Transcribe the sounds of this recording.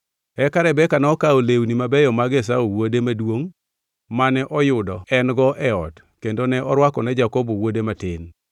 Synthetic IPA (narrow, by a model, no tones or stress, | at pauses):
ɛkaɾɛbɛkanɛɔkaolewnimabɛjɔmaɡes̬aowodemadwoŋ | manɛʔɔjʊdɔɛnɡɔʔɛɔt | kendonɛʔɔɾwakɔnɛd͡ʒakɔbowodematɪn